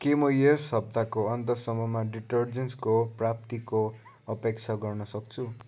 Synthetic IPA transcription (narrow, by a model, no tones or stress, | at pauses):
kemʌjersʌb̚d̪akoʌnt̪ʌsʌmʌmaɖiʈʌrd͡zenskoprap̚t̪iko | ʌpekt͡sʰaɡʌrnʌsʌk̚t͡sʰu